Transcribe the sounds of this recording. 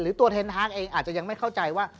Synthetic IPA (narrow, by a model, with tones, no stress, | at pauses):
ɾɯː˩˦t̪u˧ɐt̪ʰe˧nt̪ʰaː˦˥˩k̚ʔeː˧ŋʔaː˨˩t̪̚t͡ɕa˨˩ja˧ŋma˥˩jkʰa˥˩wt͡ɕa˧jwaː˥˩